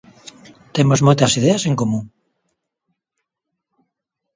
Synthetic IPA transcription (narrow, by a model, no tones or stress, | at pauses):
t̪emozmojt̪asið̞easeŋkomũŋ